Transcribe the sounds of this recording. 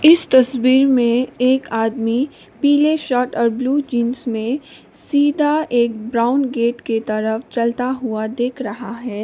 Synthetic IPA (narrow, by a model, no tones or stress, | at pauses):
ɪst̪ɐswiːɾmẽeːkaːd̪mi | piːleʃɔːʈɔːɾbluːd͡ʒĩːnsmẽ | siːd̪ʱaeːk̚bɾaːʊnɡeːʈket̪ɐɾəft͡ʃɐlt̪aɦʊad̪eːkʰɾɐɦaɦɛː